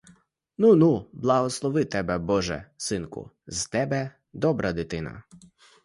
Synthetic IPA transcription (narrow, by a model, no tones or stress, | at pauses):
nunublˠɐɦɔslˠɔʋɪt̪ɛbɛbɔʒɛ̰sɪnkʊ̰ | zt̪ɛbɛ | d̪ɔbɾʔɐd̪ɪt̪ɪnɐ̰